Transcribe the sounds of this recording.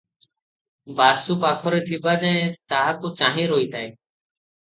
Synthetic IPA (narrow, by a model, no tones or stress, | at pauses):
baːsuːpaːkʰoːɾeːt̪ʰiːbaːd͡ʒə̃ːẽːt̪aːkoːt͡ʃãːɦẽːɾoːiːt̪aːeː